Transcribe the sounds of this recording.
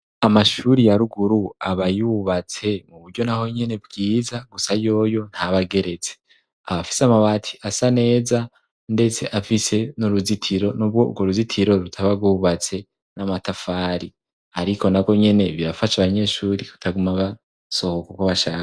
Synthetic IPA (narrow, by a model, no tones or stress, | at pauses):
amaʃuːɾijaɾuɡuɾuaβajuβat͡se̞muβuɾɟo̞naho̞ɲe̞ne̞bɡiːzaɡusajo̞ːjo̞n̥haβaɡe̞ɾe̞t͡se̞̥ | aβafi̥samaβatʰi̥asane̞ːza | nde̞t͡se̞ʔafise̞nuɾuzitʰiɾo̞nubɡo̞ṵɡo̞ɾuzitʰiɾo̞ɾutʰaβaɡuβat͡se̞ | namatafaːɾi | aɾiko̞naɡo̞ɲe̞ne̞βiɾafaʃaβaɲe̞ːʃuːɾiku̥tʰaɡumaβa | so̞hokukoβaʃaːka